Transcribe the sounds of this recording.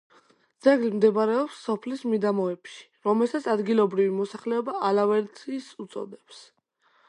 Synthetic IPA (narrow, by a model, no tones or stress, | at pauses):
d̪zɛɡlimd̪ɛbɾɛɔpsːɔpʰlismid̪amɔɛpʃi̥ɾɔmɛlˠsat̪sʰad̪ɡilˠɔbɾivimɔsaχlɛɔbaalavɛɾt̪ʰiːsut̪sʼɔ̰d̪ɛps